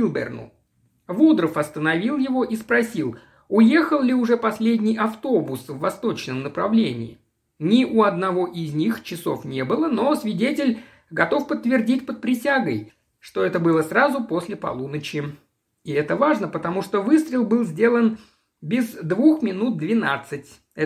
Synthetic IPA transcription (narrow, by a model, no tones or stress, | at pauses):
ilˠbʲɪ̰rnʊ̰ | vud̪ɾəfɐst̪ənɐvʲilˠjɪvo̞ʔispɾɐsʲilˠ | ʊje̞xəlˠlʲɪʊʐɛpɐsʲlʲedʲnʲɪjɐft̪o̞bʊsvːɐst̪o̞t͡ɕnəmnəpɾɐvlʲenʲɪ̰ɪ̰ | nʲɪʔʊɐd̪nɐvo̞ʔɪzʲnʲixt͡ɕɪso̞̰fnʲe̞bɨlˠəno̞svʲɪdʲetʲɪlʲ | ɡɐt̪o̞fpət̪ːvʲɪrdʲit̚ʲpət̪̚pɾʲɪsʲaɡəj | ʂt̪o̞ɛt̪əbɨlˠəsrazʊpo̞sʲlʲɪpɐ̰lˠunət͡ɕɪ | ɪɛt̪əvaʐnəpət̪ɐmuʂt̪ovɨst̪ɾʲɪlˠbɨlˠzʲdʲe̞lˠən | bʲɪzd̪vuxmʲɪnut̪̚d̪vʲɪnat̪sɨtʲ | ɛ